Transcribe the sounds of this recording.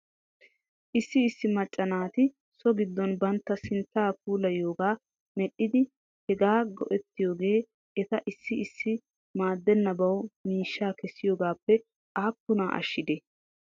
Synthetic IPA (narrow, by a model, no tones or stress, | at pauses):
ʔɪsːɪːsːɪmɐt͡ʃʼːɐnaːt̪ɪ | sɔɡɪd̪ːɔnbɐnt̪ːɐsɪnt̪ːaːp̚uːlɐjo̞ːɡaː | mɛɗːɪd̪ɪ | hɛɡaːɡɔ̰ʔɛt̪ːɪjo̞ːɡe̞ː | ʔɛt̪ɐʔɪsːɪɪsːɪ | maːd̪ːɛnːɐbɐwmiːʃːaːkɛsɪjoːɡaːpːɛ | ʔaːkːʊnaːʔɐ̰ʃːɪd̪ɛ